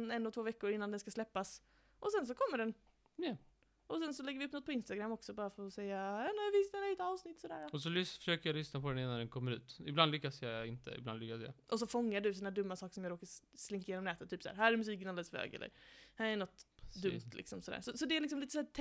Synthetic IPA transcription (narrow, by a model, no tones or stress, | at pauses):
nɛnːɔt̪ʰvoːvɛkːʊɾɪnːand̪ɛnskaslɛpːas | ʔɔsɛns̬ɔkʰɔmːəɖɛn | ʔɔsɛnsɔlɛɡːəvɪɵpnɔt̪pʰɔɪnst̪aɡɾamːɔksɔbɑːɾafosɛjːajɑːnɛvɪsnaɾɛɛt̪ɑːvsnɪt̪ːsɔd̪æ̰ːɾaɔsɔlʏsfœ̥ʂøːkəɾjalʏsnapʰɔd̪ɛnɪnːand̪ɛnkʰɔmːəɾʉ̰ːt̪ɪb̪and̪lʏkːasjaɪnt̪ʰə̰ɪ̰bla̰nd̪lʏkːasja̰ʔɔs̬ɔfɔŋːaɖɵs̬inæːɖɵmːasɑːkə̥ʂɔmjaːɡɾoːkaslɪŋkajeːnɔmnɛːt̪ət̪ʰːyːpsæːɾɦæːɾɛɾmɵs̬iːk̬ənald̪ələsfø̰ːɡɛ̰lə̰ɾhæːɾɛnɔt̪ːd̪ɵmt̪ʰlɪ̰ksɔmsɔd̪æ̰ːɾʂɔsɔd̪ɛælɪksɔmliːt̪əsæːʈʰ